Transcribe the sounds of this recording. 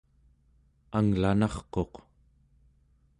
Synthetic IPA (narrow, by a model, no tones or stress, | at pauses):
aŋlanɑχqo̞q